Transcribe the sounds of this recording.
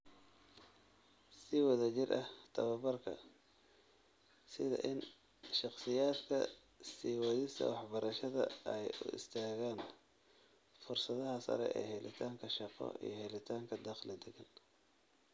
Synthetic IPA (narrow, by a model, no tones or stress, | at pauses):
sɪwɑðɐt͡ʃɪrʔɐht̪ʰɐβɐbɐrkʰɐ̰ | sɪðɐ̰ʔɪn | ʃɑqsɪjaːd̪kʰɐ̰ | siːwɑðɪst̪ʰɐ̰wɑħbɐɾɐʃɐðɐ̰ɛjʊ̰ʔɪ̰st̪ʰaːɣaːn | fʊrsɐðɐɦɐsɐ̰ɾɛ̰ʔɛ̰ːɦɛlɪt̪ʰaːŋkʰɐʃɑqɔ̰ḭjɞɦɛlɪt̪ʰaːŋkʰɐd̪ɑqlɪd̪ɛɡɐn